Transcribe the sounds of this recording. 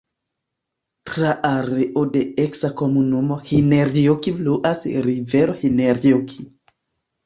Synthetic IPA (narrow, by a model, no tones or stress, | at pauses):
tɾaʔaɾeʔodeeksakomunumohineɾiokifluʔasɾiveɾohineɾiokʰi